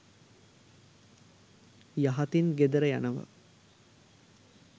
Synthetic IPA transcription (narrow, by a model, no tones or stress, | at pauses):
jaɦɐt̪inɡed̪əɾəja̰nəʋa̰